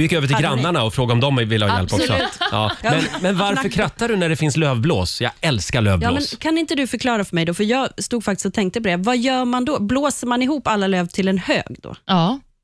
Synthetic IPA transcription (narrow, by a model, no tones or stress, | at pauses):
jɪkːøːvəʈ̬ʰɪlɡɾanːaɳaɔfɾoːɡaɔmd̪ɔmvɪlːəhɑːjɛ̰lpːɔksɔ̰t̪jɑ̰ːmɛnmɛnvaɾfœɾkʰɾat̪ːaɖɵnæɖɛfɪnsløːvbloːsjɑ̰ːɡɛlskaɭø̰ːvjlːomɛːnskʰanɪnt̪əd̪ɵfœɾkʰlɑːɾafœɾmɛjd̪ɔfœɾjɑːst̪uːɡfakt̪ɪ̥st̪ɔt̪ʰɛŋkt̪əpɔd̪ɛvajœːɾmand̪ɔbloːsəɾmanɪɦuːpːalːaløːvt̪ʰɪlɛnhø̰ːɡd̪o̰ː